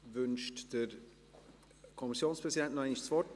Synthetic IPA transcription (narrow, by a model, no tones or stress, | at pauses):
vʏnʃtd̥eɾ | kʰɔmisjoːnspʁɛsidɛntnaɪnɪçsvɔt